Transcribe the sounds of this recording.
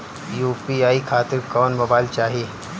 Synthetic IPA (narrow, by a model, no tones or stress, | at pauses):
juːpiaːikʰaːt̪ɪɾkɔːnmobaːɪlt͡ʃaːɦie